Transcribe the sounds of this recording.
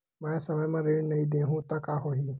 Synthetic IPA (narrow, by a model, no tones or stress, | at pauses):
mɛ̃ːsɐməjmɐ̃ɾeɽnɐĩd̪ẽːɦũːt̪akaːɦoːɦiː